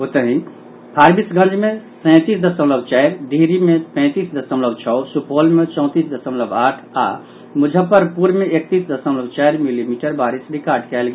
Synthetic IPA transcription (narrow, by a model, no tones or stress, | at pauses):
ɦot̪əɦĩ | pʰaɾbisɡə̃nd͡ʒʱmesə̃ɪt̪iːsd̪əsəmləbt͡ʃajɾɖʱiɦɾimepɛ̃ːt̪isd̪əsəmləbt͡ʃʰɔːsupʰolmet͡ʃɔ̃ʊ̃t̪iːsd̪əsəmləbaːʈʰa̰ | mʊd͡ʒʱəpəɾpuɾmeek̚t̪iːsd̪əsəmləbt͡ʃajɾmilimiʈəɾbaɾisɖikaɾɖkɛlɡe